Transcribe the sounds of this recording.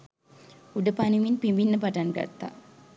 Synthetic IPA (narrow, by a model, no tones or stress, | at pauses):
uɖəpaniʋinpimbinːəpaʈanɡa̰t̪ːa̰